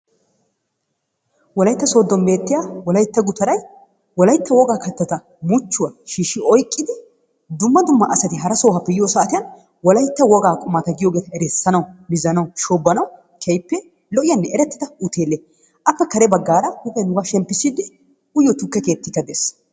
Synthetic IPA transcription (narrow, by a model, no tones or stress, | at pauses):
wɔlɐjt̪ːɐsoːd̪ːɔnbe̞ːt̪ːɪjawɔlɐjt̪ːɐɡʊt̪ɐɾɐj | wɔlɐjt̪ːɐwɔɡaːkɐt̪ːɐt̪ɐ | mʊt͡ʃːʊwɐʃiːʃɪɔjkʼːɪd̪ɪ | d̪ʊmːɐd̪ʊmːɐʔɐsɐt̪ɪɦɐɾɐso̞ːhɐpːɛjɪjoːsɐaʔːt̪ɪjɐn | wɔlɐjt̪ːɐwɔɡaːkʼʊmat̪ɐɡɪjo̞ːɡeːt̪ɐɛɾɛsːɐnɐwmɪzɐnɐwʃoːbːɐnɐw | kʰɛjpːɛ | lɔʔɪjɐnːɛʔɛɾɛt̪ːɪd̪ɐʊt̪ʰe̞ːlːe | ʔɐpːɛkɐɾɛbɐɡːaːɾɐhʊbɛnʊɡɐʃɛmpːɪsɪd̪ɪ | ʊjːɔt̪ʊkːɛke̞ːt̪ːɪkːɐd̪eːs